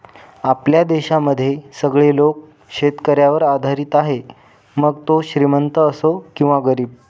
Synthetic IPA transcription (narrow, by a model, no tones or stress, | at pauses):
apljad̪eɕaməd̪ʱːjesəɡɭelok̚ | ɕet̪kəɾjaʋəɾad̪ʱaɾit̪aɦe | məɡt̪oɕɾimənt̪əːsokĩw̃ʋaɡəɾiːb̚